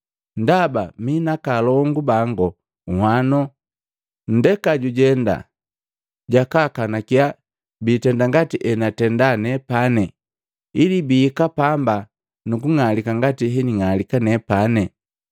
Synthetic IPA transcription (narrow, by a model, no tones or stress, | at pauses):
ndabaminakalɔŋɡubaŋɡɔ | uhwanɔ | n̩dɛkaɟuɟɛnda̰ | ɟakakanakia | bitɛndaŋɡatiʔɛnatɛndanɛpanɛ | ilibiːkapamba | nukuŋalikaŋɡatiɦɛniŋalikanɛpanɛ